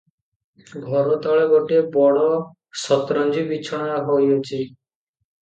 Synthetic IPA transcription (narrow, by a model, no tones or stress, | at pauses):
ɡʱɔɾot̪ɔɭeɡɔʈebɔɽɔ | sɔt̪ɾɔnd͡ʑibit͡ʃʰɔɽ̃aɦojot͡ʃʰi